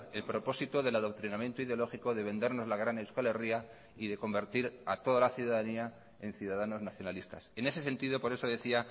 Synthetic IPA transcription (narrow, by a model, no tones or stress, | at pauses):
e̞lpɾo̞po̞sit̪oðe̞laðok̚t̪ɾinamje̞nt̪oiðeolo̞xikoðe̞βe̞nd̪e̞ɾno̞zlaɣɾanewskale̞ria | iðe̞ko̞mbe̞ɾt̪iɾat̪o̞ðalaθjuðaðania | e̞nθjuðaðano̞znaθjo̞nalist̪a̰se̞ne̞se̞se̞nt̪iðo̞po̞ɾe̞soðe̞θia